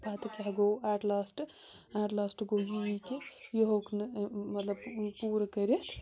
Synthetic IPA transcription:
paːt̪ɐkaɦɡoaːʈlaːsʈ | aʈlaːsʈɡoɡikejoɦoknmɐt̪ləbpuːɾɐkəɾet̪ʰ

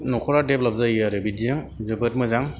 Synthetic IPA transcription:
nɔkʰɔɾadep̚lap̚zaaɾɯbidiaŋ | zɯɡɯt̚mɯzaŋ

